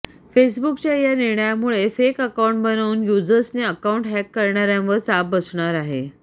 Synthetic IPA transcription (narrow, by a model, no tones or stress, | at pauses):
fesbukt͡ɕjajaniɾɳəjamuɭefekəkawuɳʈbənəːnjud͡zəsneəkauɳʈɦɛkːəɾɳaɾjãʋəɾsabəsɳaɾaɦe